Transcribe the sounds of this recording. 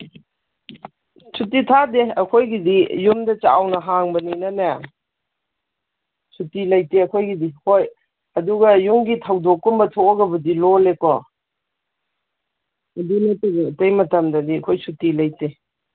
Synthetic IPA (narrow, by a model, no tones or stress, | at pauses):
sʰutitʰadeɐkʰojɡidijumdɐt͡ʃawnɐɦaŋbɐninɐna | sutilɐjteɐkʰojɡidihoj | ɐduɡɐjuŋɡitʰawdokːumbɐtʰoɐɡɐbɐdilolekɔ | ɐdinɐtuɡɐtejmɐtɐmdɐdiɐkʰojsutilɐjte